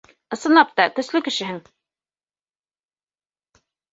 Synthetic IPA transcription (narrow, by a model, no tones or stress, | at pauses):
ɤ̆sɤ̆nɑp̚t̪ɑt̪ɵ̆slɘkɘ̆ʃɘ̆ɦɘŋ